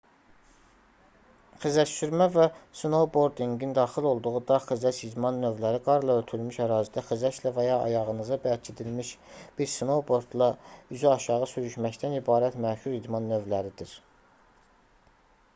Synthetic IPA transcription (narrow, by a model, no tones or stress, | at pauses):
χizæʃt̪yɾmævæsno̞wbo̞ɾd̪iŋɡind̪ɑːxilo̞lˠd̪uʁud̪ɑχizæt͡ʃid̪mɑnːø̞vlæɾiɡɑɾlˠɑølt̪ʰylmyʃæɾɑːzid̪æxyzæʃlævæjɑɑ̰jɑʁɯnɯzɑbælcʰed̪ilmiʃb̥iɾsno̞wbo̞ɾd̪lˠɑyzyɑʃɑʁɯsyɾyʃmæct̪ænibɑːɾæt̪mæʃuɾid̪mɑnːø̞vlæɾid̪iɾ